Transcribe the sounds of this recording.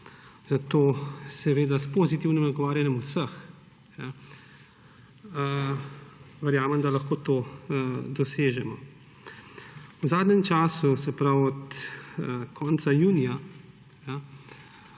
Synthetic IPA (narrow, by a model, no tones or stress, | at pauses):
z̥at̪oːsɛʋeːd̪aspoːzit̪iwnimɔɡɔʋaːɾjanjɛmusəx | ja | ʋɛɾjaːmɛmd̪alɐxkoːt̪oːd̪ɔseːʒɛmɔ | wzaːd̪nɛmt͡ʃaːsusɛpɾawɔt̪ | kʰɔːnt̪sajuːnija | ja